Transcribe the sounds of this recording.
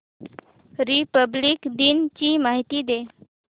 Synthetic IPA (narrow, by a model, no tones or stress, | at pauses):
ɾipəbliːkd̪int͡ɕiːmaɦit̪iːd̪e